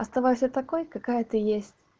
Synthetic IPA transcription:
ɐst̪ɐvajʊsʲat̪ɐko̞jkɐkajət̪ɨjesʲtʲ

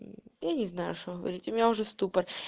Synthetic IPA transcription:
janʲɪznajʊ̰ʂt̪oɣəvɐ̰ɾʲitʲʊmʲɪnʲaʊʐɛst̪upər

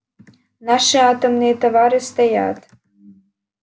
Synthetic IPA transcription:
naʃɨaːt̪ɨmnit̪avaɾɨst̪ɛja̰ːt̪

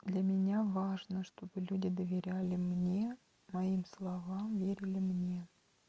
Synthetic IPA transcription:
d̪lʲamʲɪnʲavaʐnəʂt̪o̞bɨlʲudʲɪd̪əvʲɪɾʲalʲɪmnʲe̞ | mɐimslˠɐvamvʲeɾʲɪlʲɪmnʲe̞

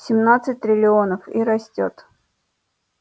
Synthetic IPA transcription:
sʲɪmnat̪sɨt̚ʲt̪ɾʲɪlʲɪo̞nəfiɾɐsʲtʲo̰t̪

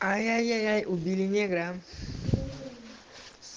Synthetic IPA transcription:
ajajajajʔubilineɡɾam

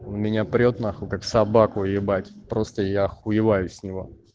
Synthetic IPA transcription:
nmʲɪnʲapɾʲo̞t̪naxʊkaksɐbakʊjɪbatʲpɾo̞st̪əjaxʊjɪvajʊsʲnʲɪvo̞

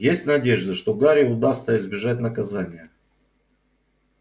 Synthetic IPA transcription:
jesʲtʲnɐdʲeʐd̪əʂt̪oɡaɾʲɪʊd̪ast̪səɪzbʲɪʐatʲnəkɐzanʲɪjə

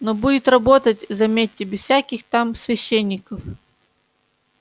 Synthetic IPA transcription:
nobudʲɪt̪rɐbo̞t̪ətʲzɐmʲetʲːɪbʲɪz̥fsʲækʲɪxt̪amsvʲɪɕːenʲːɪkəf

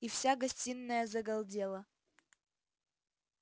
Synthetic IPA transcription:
ifsʲaɡɐsʲtʲinːəjəzɐɡɐlˠdʲelˠə

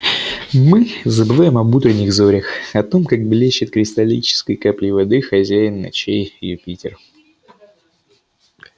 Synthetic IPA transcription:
mɨzəbɨvajɪmɐbut̪ɾʲɪnʲːɪɣzoɾʲɪxɐt̪o̞mkaɡ̚blʲeɕːɪt̪kɾʲɪst̪ɐlʲḭt͡ɕɪ̥skəjkaplʲɪvɐd̪ɨxɐzʲæjɪnːɐ̰t͡ɕejjʊpʲitʲɪr

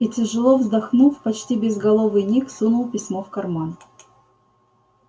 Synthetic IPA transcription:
itʲɪʐɨlˠovzd̪ɐxnufpɐt͡ɕtʲibʲɪzɡɐlˠovɨjnʲiksunʊlˠpʲɪsʲmofkɐrman

